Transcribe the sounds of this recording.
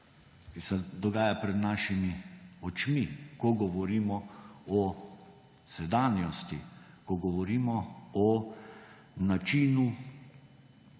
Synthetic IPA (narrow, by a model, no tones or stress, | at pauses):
kisɛd̪ɔɡaːjapɾɛd̪naːʃimiɔt͡ʃmikɔɡɔʋɔɾiːmɔɔ | sɛd̪aːnjɔst̪i | kɔɡɔʋɔɾiːmɔɔ | nat͡ʃiːnu